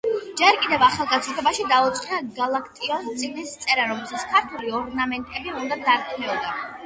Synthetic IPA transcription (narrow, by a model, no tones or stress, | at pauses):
d͡ʒɛɾkʼid̪ɛvaχalˠɡat̪sʰɾt̪ʰɔbaʃid̪aut̪sʼqʼinaɡalˠakʰt̪ʼiɔnst̪sʼinist̪sʼɛɾaɾɔmɛlˠsat̪skʰaɾt̪ʰuliɔɾnamɛnt̪ʼɛbiund̪ad̪aɾkʰnɛɔd̪a